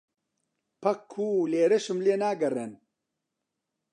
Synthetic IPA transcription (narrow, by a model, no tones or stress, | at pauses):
pʰɐkʰːuːleːɾɐʃɨmleːnaːɡɐrɛn